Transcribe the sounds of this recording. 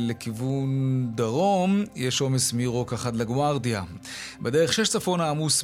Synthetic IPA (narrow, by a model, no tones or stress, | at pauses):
lekivund̪aʁo̞mjeʃo̞mesmiʁo̞kaχat̪laɡwaʁd̪ia | bedeʁeχʃeʃt͡safo̞naːmus